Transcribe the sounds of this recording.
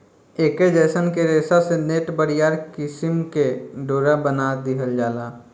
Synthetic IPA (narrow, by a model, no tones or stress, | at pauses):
eːked͡ʒəːsənkeɾeːsaseneːʈbəɽijaːɾkɪsɪmkeɖoːɾabənad̪ɪɦəld͡ʒaːlaː